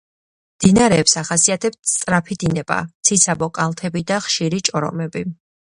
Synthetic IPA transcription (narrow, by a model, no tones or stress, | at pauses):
md̪̥inaɾɛːpsaχasiat̪ʰɛpt̪ʰst̪ʼɾapʰid̪inɛba̰t̪sʰisʰabɔkʼalˠt̪ʰɛbid̪aχʃiɾit͡ʃʼɔɾɔ̰mɛbi